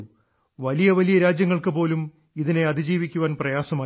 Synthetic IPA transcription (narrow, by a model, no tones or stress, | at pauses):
ʋɐlijɐʋɐlijɐɾaːd͡ʑjɐŋːɐɭkɨpo̞ːlum | iðine̞ɐd̪id͡ʑiːʋikʲːuʋaːnprɐjaːsɐmaː